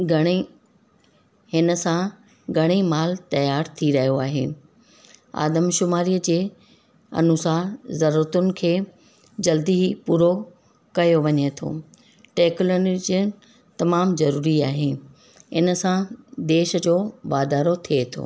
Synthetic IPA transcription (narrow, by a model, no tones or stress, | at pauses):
ɡʱɐɽ̃e | hɪnə̆sã | ɡʱɐɽ̃imaːlt̪ɐjaːɾt̪ʰiɾɐɦijoaːɦeː | a̰ːd̪əmʃʊmaːɾiːəd͡ʑeː | ɐ̰nʊsaːɦzɐɾuːɾət̪ʊnɪ̆kʰeː | d͡ʑɐld̪iɦipuːɾo | kɐjoʋɐɲet̪ʰo̰ː | ʈeːklond͡ʑə | t̪ɐmaːmzɐɾuːɾiaːɦeː | ɪnə̆sãd̪eːʃd͡ʑoːʋaːd̪aːɾot̪ʰiet̪ʰo̰ː